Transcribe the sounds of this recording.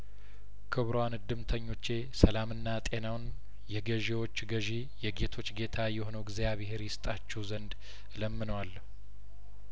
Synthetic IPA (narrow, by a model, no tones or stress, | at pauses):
kʰɨβɾwanɨd̪ɨmt̪ʰəɲːo̞t͡ʃːe̞səlamɨnːat̪ʼe̞nawn | jɛɡəʒewo̞t͡ʃːɡəʒi | jɛɡe̞t̪ʰo̞t͡ʃːɡe̞t̪ʰajɛho̞nəwɡzejaβɨɦeɾjɪst̪ʼat͡ʃːuzənd̪ | ləmːɨnəwalːəhu